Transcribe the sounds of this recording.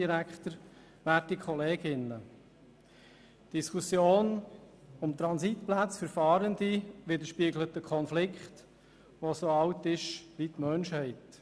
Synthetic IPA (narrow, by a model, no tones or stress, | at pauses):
iɾækχt̪əɾ | ʋæːtːikʰχɔleːɡ̥ɪnə | d̥iskʰusjoːn | ʊmt̪ɾɑnsit̪plæt͡sfəɾfɑːɾəndiʋɪd̪əɾʃpiəɡlətəkʰχɔnflɪkχt | ʋosoɑwtɪʃʋitmœnʃhɛɪt